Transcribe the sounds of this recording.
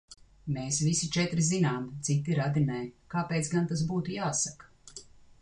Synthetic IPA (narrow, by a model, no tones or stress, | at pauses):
meːsvisit͡ʃɛt̪ɾizinaːmt̪sit̪iɾad̪inɛːkaːpeːt̪sɡant̪as̬buːt̪ujaːsakḁ